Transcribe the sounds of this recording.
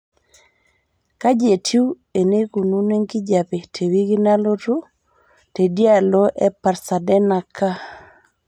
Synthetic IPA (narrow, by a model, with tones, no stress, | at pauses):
ka˦d͡ʒe˨tʰju˦ | e˨ne˦ku˨nu˦ne˦ŋɡi˦d͡ʒa˨pe˨tʰe˨wi˦ɡi˦na˦lo˦tu˦ | te˨dja˦lo˦ʔɛ˦pa˨ɾsa˨dɛ˦na˨kʰa˦